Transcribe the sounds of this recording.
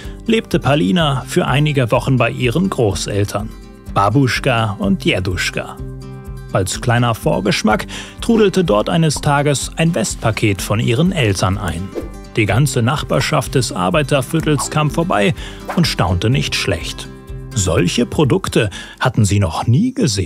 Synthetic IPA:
leːp̚təpʰaliːnafyːɐʔaɪnɪɡəvɔχn̩baɪʔiːʁənɡʁoːsʔɛ̰ltʰɐn | b̥abuʃkaʊntjɛduʃka̰ | ʔalskl̥aɪnɐfoːɐɡəʃmaktʁ̥uːdl̩tədɔɐtʔaɪnəstʰaːɡəsʔaɪnvɛst̚pʰakʰeːtfɔnʔḭːʁənʔɛltʰɐnʔa̰ɪn | d̥iːɡant͡sənaχb̥aːɐʃaft̚d̥ɛsʔa̰ɐbaɪtɐfʏtl̩skʰaːmfoːɐba̰ɪʊntʃtaʊntənɪçtʃlɛ̰çt | z̥ɔ̰lçəpʁ̥odʊktʰəhatn̩ziːnɔχniːɡəzeː

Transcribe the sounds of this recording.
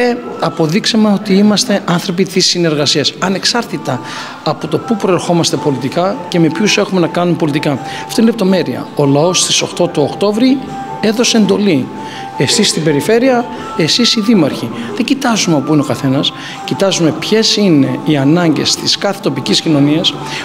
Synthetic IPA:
eɐpo̞ðiksemeo̞t̪iimɐst̪e̞ʔɐnθɾo̞pit̪isːine̞ɾɣɐsiɐsɐne̞ksɐɾt̪it̪ɐː | po̞t̪o̞pupɾo̞e̞ɾxo̞mɐst̪e̞po̞lit̪ikɐce̞me̞pçuse̞xume̞nɐkɐnumepo̞lit̪ikɐ | ɐft̪oinelep̚t̪o̞me̞ɾiɐ̰o̞lɐo̞st̪iso̞xt̪o̞t̪uokt̪o̞vɾi | e̞ðo̞se̞eːnd̪o̞li | e̞sist̪ibe̞ɾife̞ɾiɐ | e̞sisiðimɐɾçiðeɲɟit̪ɐzumeo̞puineo̞kɐθe̞nɐs | cit̪ɐzume̞pçe̞sine̞iɐnɐɲɟe̞̰st̪iskɐθet̪o̞piciscino̞niɐs

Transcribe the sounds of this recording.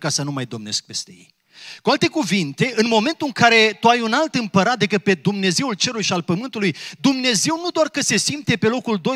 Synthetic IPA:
kasənumajd̪o̞mne̞sk̚pe̞st̪e̞jḛj | kualt̪e̞kuvint̪e̞ʔɨnmo̞ment̪ulɨŋkaɾe̞t̪uajunalt̪ɨmpəɾat̪d̪e̞kɨt̪̚pe̞d̪umne̞ze̞ult͡ʃe̞ɾulujʃialpəmɨnt̪ulujd̪umne̞ze̞wnud̪oarkəse̞simpt̪e̞pe̞lo̞kuld̪o̞j

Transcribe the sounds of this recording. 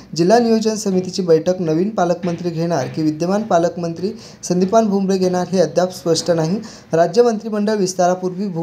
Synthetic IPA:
d͡ʑil̤ːanijod͡ʑənsəmit̪it͡ɕiːbəjʈʰəknəʋiːnpaləkmənt̪ɾiːɡʱeɽ̃aɾkiːʋid̪jəʋanpaləkmənt̪ɾiː | sənd̪ʱipanbʱumɾeɡʱeɽ̃aɾɦeəd̪ʱjapspəʂʈʰənaɦi | ɾad͡ʑjəmənt̪ɾiːməɳɖəɭʋist̪aɾapuɾʋiːbʱu

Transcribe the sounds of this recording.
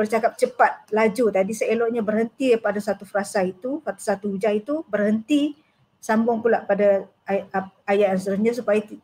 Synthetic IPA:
bərt͡ʃakap̚t͡ʃəpat̪̚lad͡ʒut̪adisəelɔʔɲabərhənt̪ipadasat̪ufəɾasait̪upat̪u̥sat̪uud͡ʒait̪ubərhənt̪i | sambʊŋkulaʔpada | ajaansəɾəɲãsupajai

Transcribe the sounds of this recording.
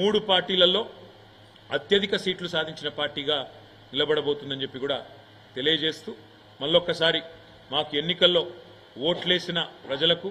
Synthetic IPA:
muːɽupaːɾʈiːlɐlːo̞ː | ɐt̪jɐd̪ʱikɐsiːʈlusaːd̪ʱiɲt͡ʃinɐpaːɾʈiːɡaː | nilɐbɐɽɐbo̞ːt̪und̪ɐnd͡ʒe̞pːikuːɽaː | t̪e̞lijɐd͡ʒe̞ːst̪uː | mɐlːɔkːɐsaːɾi | maːkue̞nːikɐlːo̞ː | o̞ːʈle̞ːsinɐpɾɐd͡ʒɐlɐku

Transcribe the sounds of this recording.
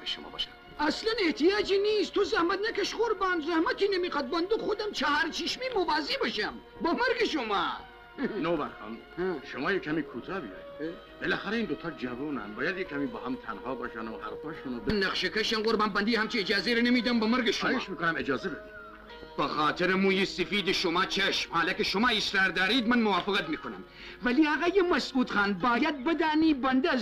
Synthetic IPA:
beʃomɑ̰ːbɑ̰ʃ | ɐslɐneht̪ijɑːd͡ʒiniːst̪ʰozɐhmɐt̪nɐkɐʃʁoɾbaːnzɐhmɐt̪ʰinemiqɐt̪̚bɐnd̪uxod̪ɐmt͡ʃʰaɦaɾt͡ʃʰiʃmimovaːzibəʃɐm | bɐmɐɾɡeʃomaː | noːbanxɑ̰n | ʃomɑːjekʰhamiːkʰut̪ʰɑːbijɑ̰ːji | belæːxæɾæiːnd̪ot̪ʰɑːɾd͡ʒævuːnæ̰mbɑːjæd̪jekʰːæmiːbɑːhæmt̪ʰænhɑːbɑːʃanhæ̰ɾfɑːʃunobenːɐqʃekʰeʃɐnɡoɾbænbɐnd̪ihæmt͡ʃʰiːd͡ʒɑːzeɾenemiːd̪æmbɐmɐɾɡeʃomeʃmiːkonæmed͡ʒɑːzebed̪i | b̥exɑːt̪ʰeɾemũːjesefiːd̪eʃomɑːt͡ʃʰeʃmhɑːlækeʃomɑːɪsɾɑːɾd̪ɑːɾiːd̪mænmowɑːfeɣæt̪miːkonæm | væliːæɣæjemæsuːt̪xɑːnbɑːjæd̪̚bed̪aːniːbænd̪e

